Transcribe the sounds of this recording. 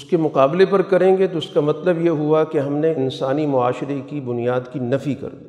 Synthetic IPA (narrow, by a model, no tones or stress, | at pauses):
ʊskemʊqaːblepɐɾkɐɾẽːɡet̪oʊskamɐt̪ləbjeɦuakeɦɐmneɪnsaːnimʊaːʃɪɾekibʊnijaːd̪kinɐfikɐ̰ɾd̪iː